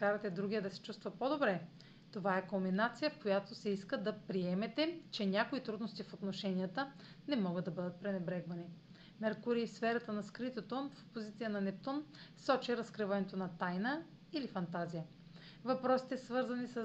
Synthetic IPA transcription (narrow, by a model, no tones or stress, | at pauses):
kaɾɐt̪ɛd̪ɾuɡʲiəd̪ɐsɛ̥t͡ʃust̪vɐpod̪obɾɛ | t̪ovaɛkominat̪sijəfkojat̪osɛiskəd̪ɐpɾiɛmɛt̪ɛt͡ʃɛnʲakoit̪ɾud̪nost̪ifot̪noʃɛnijət̪ə | nɛmɔɡəd̪ɐbɤd̪ət̪̚pɾɛnɛbɾɛɡvɐni | mɛɾkuɾiːfsfɛɾɐt̪ənɐskɾit̪ot̪ofo̥pozit̪sijənɐnɛp̚t̪onsɔt͡ʃɛɾɐskɾɨvɐnɛt̪onɐt̪ajnə | ilifɐnt̪azijə | vɐpɾɔsi̥t̪ɛsvɤɾzɐnisə